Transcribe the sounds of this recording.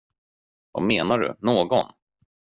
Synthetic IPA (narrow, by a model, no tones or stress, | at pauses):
va̰meːnaɖɵ̰noːɡɔn